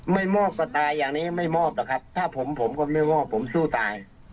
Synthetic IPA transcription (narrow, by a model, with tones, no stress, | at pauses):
ma˥˩jmɔː˥˩p̚kɔː˥˩t̪aː˧jːaː˨˩ŋniː˦˥ma˥˩jmɔː˥˩p̚la˨˩kʰa˦˥p̚t̪ʰaː˥˩pʰo˩˦mpʰo˩˦mkɔː˥˩ma˥˩jmɔː˥˩pʰːo˩˦msuː˥˩t̪aː˧j